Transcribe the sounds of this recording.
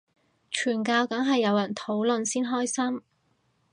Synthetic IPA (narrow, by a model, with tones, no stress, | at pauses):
t͡ʃʰyː˨˩nkaː˧wkɐ˨˥ŋɦɐ˨jːɐ˨˧wjɐ˨˩nt̪ʰo˨˥wlɵ˨nsiː˥nɦɔː˥jsɐ˥m